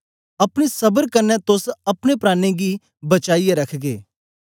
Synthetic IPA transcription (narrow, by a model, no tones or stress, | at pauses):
ɐpñisɐbəɾkɐɾnɛt̪ʊsɐpnepɾaːneɡi | bət͡ʃaːijeɾɐkʰɡeː